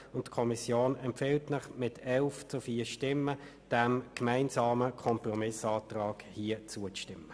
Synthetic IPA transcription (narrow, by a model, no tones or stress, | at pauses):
ʊntkʰɔmisjoːnɛmpfɪltnɪχmɪtʰɛlft͡sʊfiːʃtɪmːə | d̥æmkmaɪnsɑːməkʰɔmprɔmɪsɑːt̪ʁɑːkhiːət͡suət͡sʃtɪmːə